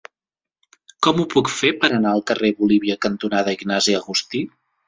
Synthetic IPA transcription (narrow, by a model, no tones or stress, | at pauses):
kɔmupukfepəɾənaəlˠkəreβuliβiəkənt̪unaðəiɡnaziəɣust̪i